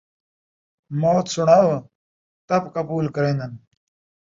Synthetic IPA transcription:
moːt̪sʊɳaːʋ | t̪ɐbkəbuːlkəɾẽːnd̪ən

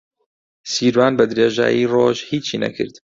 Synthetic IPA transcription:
siːɾwaːnbɐd̪ɾeːʒa̰ːjiːroːʒhiːt͡ʃʰːiːnɐ̰kʰɨ̰ɾd̪̥

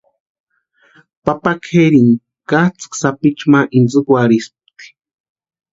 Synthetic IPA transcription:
papakʰeɾiŋ | kat͡sksapit͡ʃmaʔinzɨkwaɾisp̚t̪i̥

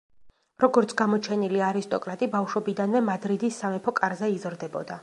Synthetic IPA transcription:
ɾɔɡɔɾt̪sʰɡamɔt͡ʃʰɛniliaɾist̪ʼɔkʼɾat̪ʼibafʃɔbid̪anvɛmad̪ɾid̪isːamɛpʰɔkʼaɾzɛizɾd̪ɛbɔd̪a

